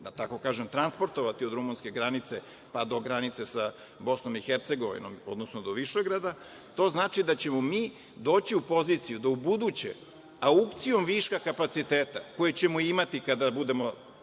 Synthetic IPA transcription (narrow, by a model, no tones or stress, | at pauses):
at̪ako̞kaːʒemt̪ɾanspo̞ɾt̪o̞ʋat̪iod̪ɾumunske̞ɡɾanit̪se̞ | pad̪o̞ɡɾanit̪se̞sa | bo̞sno̞mixeɾt̪se̞ɡo̞ʋḭno̰mo̞̰d̪nosnod̪oʋiʃeɡɾad̪a | t̪o̞znaːt͡ʃid̪at͡ɕe̞mo̞miː | d̪o̞ːt͡ɕiupo̞zit̪sijud̪aubud̪ut͡ɕḛ | aupt̪sijo̞mʋiʃkakapat̪sit̪eːt̪ako̞jet͡ɕe̞moimat̪ikad̪abud̪e̞mo̞